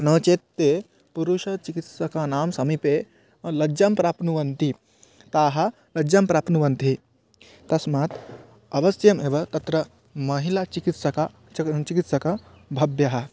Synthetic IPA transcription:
nɐːt͡ʃeːt̪ːeː | puɾuʃɐt͡ʃikit̪sɐkanaːmsɐmipeː | lɐd͡ʒɐmpɾaːpnuʋɐnt̪i | t̪aːɦɐ | lɐd͡ʒɐmpɾaːpʰnuʋɐnt̪i | t̪ɐsmaːt̪ʰ | ɐʋɐsjɐmeːʋɐt̪ɐt̪ɾɐ | mɐɦilat͡ʃikit̪sɐka | t͡ʃikit̪sɐkɐ | bʱɐbjɐɦɐ̆

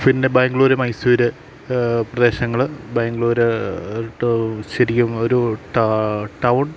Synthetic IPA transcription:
pindebaːŋɡɭuːɾemɐjsuːɾɨ | prɐd̪e̞ːɕɐŋːɐɭbaːŋɡɭuːɾɨ | ɕɐɾikʲːumo̞ɾuʈʈɐwɳ

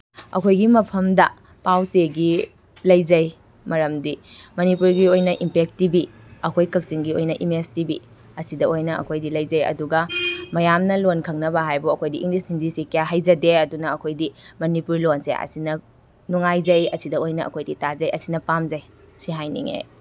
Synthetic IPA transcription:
ɐ̰kʰojɡimɐpʰɐmdɐ | pawseɡi | lɐjzɐj | mɐɾɐmdimɐnipuɾɡiojnɐʔimpek̚tibiɐkʰojkɐk̚siŋɡiojnɐʔimestibi | ɐsidɐojnɐɐ̰kʰojdilɐjzɐjɐ̰duɡɐmɐjamnɐlonkʰɐŋnɐβɐɦajbuɐkʰojdiʔiŋlishindisikjaɦajzɐdeɐdunɐːkʰojdimɐnipuɾlonsḛɐ̰sinɐ | nuŋajzɐjɐsidɐojnɐʔɐ̰kʰojditazɐjɐsinɐpamzɐj | siɦajnḭŋḛ

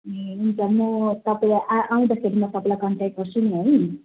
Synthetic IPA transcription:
eunt͡sʰamʌt̪ʌpalaʔaʔaũd̪akʰeɾimʌt̪ʌpalakʌnʈaʈ̚ɡʌrsuniɦoj

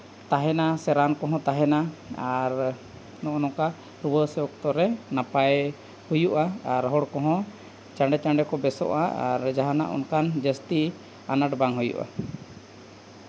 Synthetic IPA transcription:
t̪aɦɛnasɛɾankɔɦɔ̃t̪aɦɛnaaɾ | nɔʔɔnɔka | ɾubəsɛɔkt̪ɔɾɛnapaj | hujuʔaːɾɦɔɽkɔɦɔ̃ | t͡ʃaɳɖɛt͡ʃaɳɖɛkɔbɛsɔ̰ʔaa̰ɾd͡ʒaɦana̰ʔɔ̰nkand͡ʒəst̪i | anaʈbaŋɦujṵʔa̰

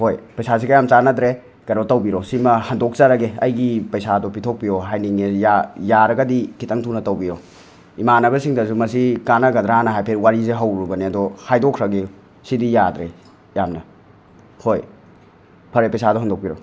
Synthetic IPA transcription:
hojpɐjsas̬ikɐjamt͡ʃanɐdɾe | kɐɾɔtɐwbiɾosimɐhɐndok̚t͡ʃaɾɐɡeɐjɡipɐjsadɔpitʰok̚pijoɦajniŋejajaɾɐɡɐdikʰitɐŋtʰunɐtɐwbiɾo | imanɐbɐsiŋdɐs̬umɐsikanɐɡɐd̪ɾanɐɦajpʰeɾwaɾizeɦɐwɾubɐniɐdɔhajdokʰɾɐɡeu | sidijadɾe | jamnɐ | hoj | pʰɐɾepɐjsadɔɦɐndok̚piɾo

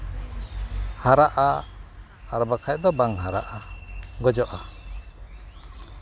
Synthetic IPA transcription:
haɾaʔa | aɾɔbakʰac̚d̪ɔbaŋɦaɾa̰ʔaɡɔd͡ʒɔʔa

